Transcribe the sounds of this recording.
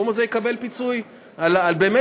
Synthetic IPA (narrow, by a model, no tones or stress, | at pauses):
omazejekabe̞lpit͡suj | alalbe̞ːme